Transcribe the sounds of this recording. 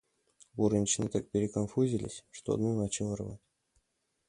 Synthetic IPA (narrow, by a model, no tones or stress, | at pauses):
buɾɨnʲt͡ɕnɨt̪ak̚pʲɪɾʲɪkonfuzʲilʲɪ̰sʲʂt̪o̰d̪nonat͡ɕilˠərva̰tʲ